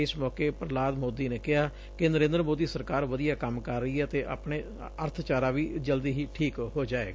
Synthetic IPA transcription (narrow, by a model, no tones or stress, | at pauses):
ɪsmɔːkeːpɾlaːd̪moːd̪iːneːkɪɦaː | kɪnəɾẽːnd̪ɾəmoːd̪iːsəɾkaːɾʋəd̪ijaːkəmkəɾːəiːɛːt̪eːʔa̰ːpɳeː | əɾt̪ʰt͡ʃaːɾaːʋiːd͡ʒəld̪iːɦiːʈʰiːkɦoːd͡ʒaːḛːɡaː